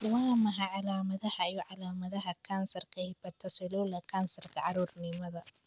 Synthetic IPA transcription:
waːmɐɦɐʕɑlaːmɐðɐhɐijɔʕɑlaːmɐðɐɦɐkʰansɐrkʰɛbɐt̪ʰɐsɛlulɐkʰansɐrkʰɐʕɑɾuːrnɪmɐðɐ

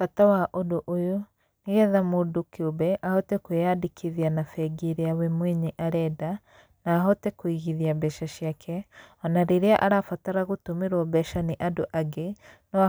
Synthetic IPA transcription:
fatawaʔodoʔojo | niɣɛðamodokiobɛʔahɔtɛkwejadikʰiðianafɛɡiɾeawemweɲeʔaɾɛda | naːɦɔtɛkwiɣiðiabɛʃaʃjakʰɛɔnaɾeɾeaʔaɾafataɾaɣotomeɾwɔbɛʃaniʔadoʔaɡenɔa

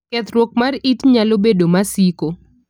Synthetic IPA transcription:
kɛt̪ɾwɔk̚maritɲalobedomasiko

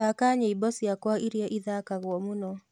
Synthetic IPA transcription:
akaɲeibɔsijakwaiɾjɔʔiðakaɣwɔmunɔ

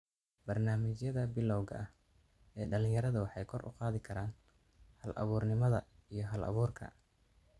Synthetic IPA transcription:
b̥ɐrnaːmɪt͡ʃjɐðɐbɪlɔwɣɐɐh | ɛːɖɐlɪ̃ŋjɐɾɐðɐwɑħɑjkʰɔrʔʊ̰qɑːðɪkʰɐɾaːn | hɐlʔɐ̰βuːrnɪmɐðɐijɞɦɐlɐ̰βuːrkʰɐ̰

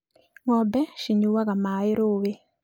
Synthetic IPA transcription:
ŋɔbɛʃiɲuwaɣamaɪɾowe

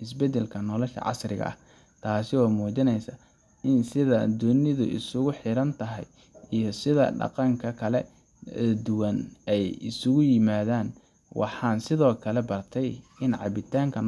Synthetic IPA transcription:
ɪs̬bɛd̪ɛlkʰɐnɔlɛʃɐ̰ʕɑ̰srɪɣɐ̰ʔɐ̰h | t̪ʰaːsɪɔːmuːt͡ʃɪnɛjsɐ | ɪnsɪðɐd̪ʊnɪðʊ̰ʔɪ̰sʊɣʊħɪɾɐnt̪ʰɐɦɛ̰j | ijɔsɪðɐ̰ɖɑ̰qɑŋkʰɐkʰɐlɛ | d̪ʊwɐnɛjɪ̰sʊɣʊjɪmaːðaːn | wʔɑ̰ħɑːnsɪðɔːkʰɐlɛbɐrt̪ʰɛjɪnʕɑ̰βɪt̪ʰaːŋkʰɐn

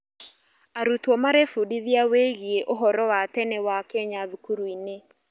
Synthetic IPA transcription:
aɾutwɔmaɾefudiðiaweɣieʔoɦɔɾɔwatɛnɛwakɛɲaðukuɾuine

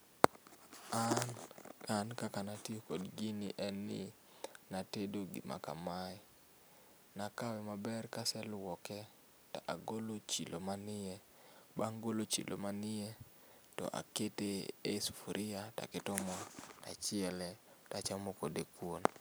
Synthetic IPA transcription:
a | kankakanatiokodɡɪnɪʔɛnɪ̰ | natedoɡɪ̰ma̰ka̰maɪ | nakawɛmabɛrkasɛlwɔkɛ | taʔaɡolot͡ʃḭlʔomanɪɛ | baŋɡolot͡ʃḭlʔo̰manɪɛ | tɔ̰ʔa̰keteesu̥fuɾʔɪata̰kɪtɔmɔtat͡ʃɪɛlɛtat͡ʃamokodekwon

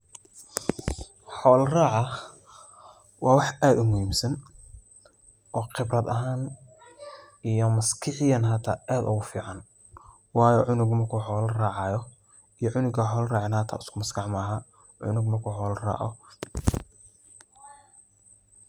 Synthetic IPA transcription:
ħɔːlraːʕɑ | wɑːwɑħaːd̪ʊmʊhiːmsɐn | ʔɔːqɪbrɐd̪ɐɦaːn | ijɔmɐskʰɪʕɪjɐnɦaːt̪ʰa̰ːʔaːd̪ʊ̰ɣʊfiːʕɑn | wɑːjɔʕʊnʊɡmɐrkʰʊħɔːlraːʕɑjɔ | ijɔʕʊnʊɡɐħɔːlraːʕɑnhaːt̪ʰa̰ːʊskʰʊmɐskɑʕmɐɦa | ʕʊ̰nʊɡmɐrkʰuːɔːlra̰ːʕɔ̰

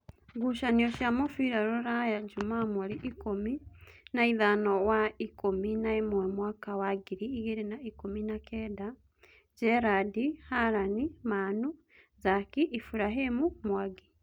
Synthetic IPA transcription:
ɡuʃaniɔʃjamofiɾaɾoɾajad͡ʒumamuɾiʔikominaiðanɔwaikominaemomwaːkawaɡiɾiːɣeɾenaikominakʰɛda | d͡ʒɛɾadihaɾanimanu | zakiʔifuɾaɦemumwaɡi

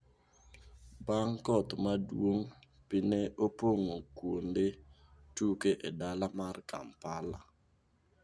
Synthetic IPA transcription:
baŋkɔt̪madwoŋ | pɪneʔopoŋokwonde | tukeʔedalamarkʰa̰mpala

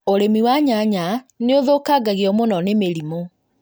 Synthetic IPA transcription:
oɾemiwaɲaɲaneoðokaɡaɣeɔmonɔnemeɾimo

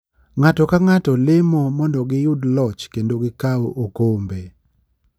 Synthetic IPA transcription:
ŋatɔkaŋatɔlɪmɔmɔndɔɡɪjʊdlɔt͡ʃkendoɡɪkaoʔokombe

